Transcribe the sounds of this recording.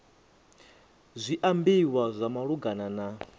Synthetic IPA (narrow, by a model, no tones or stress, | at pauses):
zʷiʔambiwazʷamaɺuɡanana